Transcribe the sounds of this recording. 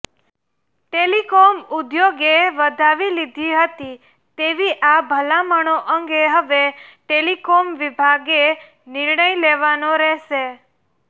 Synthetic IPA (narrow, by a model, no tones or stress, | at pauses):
ʈelikomud̪joɡeʋəd̪ʱaʋilid̪ʱiɦət̪i | t̪eʋiʔabʱəlaməɳ̃oʔəŋɡeɦəʋeʈelikomʋibʱaɡe | nɪɾɳəileʋanoɾɛɦʃe